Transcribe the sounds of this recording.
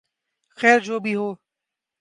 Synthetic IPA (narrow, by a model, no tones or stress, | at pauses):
xɛːɾd͡ʒoːbʱiːɦoː